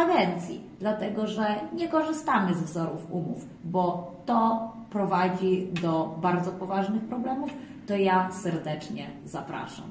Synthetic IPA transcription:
aɡ̪ɛnt̪sʲjḭd̪lat̪ɛɡɔʐɛɲɛkɔʐɘst̪amɘzvzɔɾufumṵf | bɔt̪ɔ | pɾɔvad͡ʑid̪ɔbaɾd̪zɔpɔvaʐnɘxpɾɔblɛmuf | t̪ɔjasɛɾd̪ɛt͡ʂɲɛzapɾa̰ʂa̰m

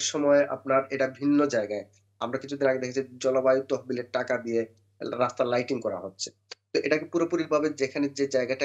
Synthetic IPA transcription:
ɾʃɔmɔeʔa̰p̚naɾeʈabʱinːod͡ʑaeɡae | amɾakit͡ɕʰud̪ʱinaɡed̪ekʰet͡ɕʰid͡ʑɔlobajot̪oɦbileʈakab̪ie | ɾast̪alajʈiŋkɔɾa̰ɦotːɕʰe̥ | t̪oʔeʈakepuɾopuɾiɾbʱabed͡ʑekʰaned͡ʑed͡ʑaeɡaʈa

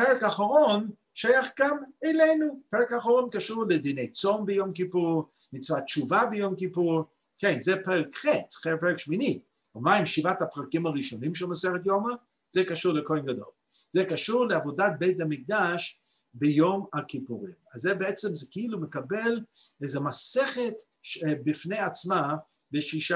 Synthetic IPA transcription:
peʁɛkaχaʁon | ʃajaχɡamelejnupeʁekaːχaʁonkaʃuʁlɛd̪inejt͡sombejomkipuʁ | mit͡svat͡ʃuvabejomkipuʁ | kenzɛpeʁɛkχetχepeʁekʃmini | omaimʃivatapʁakimaʁiʃonimʃɛmusɛʁet̪joma | z̥ɛkaʃuʁlekoenɡad̪o̞̰l | z̥ɛkaʃuʁleavodat̪̚bejt̪amik̚d̪aʃ | bejomakipuʁimazːɛbeɛt͡semzɛkiilumekabelezemaseχet | ʃebifnejat͡sma | beʃiʃa

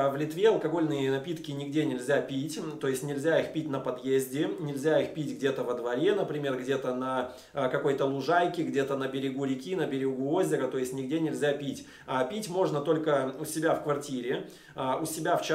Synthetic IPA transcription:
vlʲɪt̪vʲe̞ɐlˠkɐɡo̞lʲnɨjənɐpʲit̪kʲɪnʲɪɡdʲenʲɪlʲzʲapʲitʲt̪o̞ɪsʲtʲnʲɪlʲzʲaixpʲit̚ʲnəpɐd̪jezʲdʲɪnʲɪlʲzʲaixpʲitʲɡdʲe̞t̪əvəd̪vɐɾʲe̞nəpɾʲɪmʲe̞rɡdʲe̞t̪ənə | kɐko̞jt̪əlˠʊʐajkʲɪɡdʲet̪ənəbʲɪɾʲɪɡuɾʲɪkʲinəbʲɪɾʲɪɡuo̞zʲɪɾət̪o̞ɪsʲtʲnʲɪɡdʲenʲɪlʲzʲapʲitʲ | apʲitʲmo̞ʐnət̪o̞lʲkəʊsʲɪbʲafkvɐrtʲiɾʲɪ | ʊsʲɪbʲaft͡ɕ

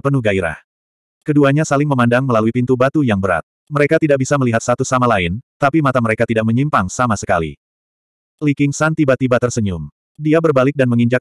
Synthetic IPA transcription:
pənuhɡaiɾa̰h | kəduaɲasalɪŋməmandaŋməlaluipint̪ubat̪ujaŋbəɾa̰t̪̚ | məɾekat̪idaʔk̚bisaməliɦat̪sat̪usamalaɪnt̪apimat̪aməɾekat̪idaʔ̚məɲimpaŋsamasəkalḭ | likɪŋsant̪ibat̪ibat̪ərsəɲʊm | diabərbalɪk̚danməŋiɲd͡ʒak̚

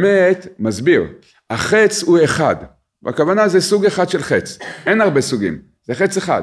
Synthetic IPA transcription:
met̪mazbiʁ | aχet͡shueχad | ba̰kavanazesuɡeχad̥̪ʃelχet͡sʔenaʁbesuɡḭm | z̥eχet͡seχa̰d

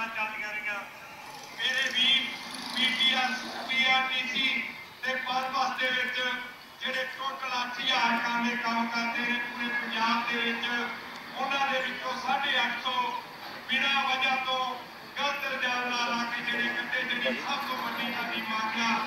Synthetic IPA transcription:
at͡ʃaːliaɾiaː | meːɾeːbiːpiːʈiːɛːspiːɛːpiːsiː | t̪eːpəɾʋaːsd̪eːʋɪt͡ʃ | d͡ʒeːɽeːtoːʈlãːsʰɪaːɾkãːd̪eːkəmkəɾd̪eːnẽːpə̃ɲd͡ʒaːbd̪eːʋɪt͡ʃ | ʊnãːd̪eːbɪt͡ʃõːsaːɖeːət͡ʃʰːõː | bɪɽãːbəd͡ʒãːt̪õː | ɡəld̪əd̪aːɾnaːlaːkeːd͡ʒeːɽeːkɪt̪eːd͡ʒeːɽiːsʰaːbt̪õːbəʈiːkəd̪iːmãːkjãː

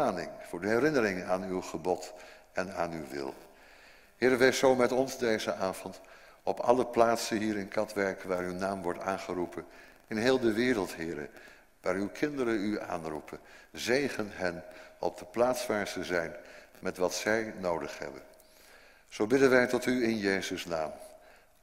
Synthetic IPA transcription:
aːnɪ̰ŋv̥ʊːɹdəɦɛɾɪnəɾɪŋənaːnywχəbɔt | ɛnaːnywʋɪ̰lˠ | ɦɪːɾəʋejsowmɛtɔnzdejzəʔaːvɔnt | ɔpɑ̰ləplaːtsənɦiːɾɪnkʰɑtʋɛɹkʋaːɹywnaːmʋɔɹta̰ːnχərupʰən | ɪnɦɪːlˠdəʋɪːɾəlˠtɦɪːɾə̰ | ʋaːɹywkʰɪndəɾəya̰ːnrupʰənzejχənɦɛnɔ̰b̚dəplaːtsʋaːɹzəzɛjnmɛtʋɑtsɛjnowdəχɦɛ̰bə̰n | z̥owbɪdənʋɛjtɔtyɪnjejzəsnaːm

